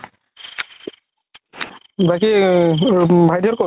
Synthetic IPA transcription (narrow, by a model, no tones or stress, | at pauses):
baki | bʱajdʱɔɹkɔ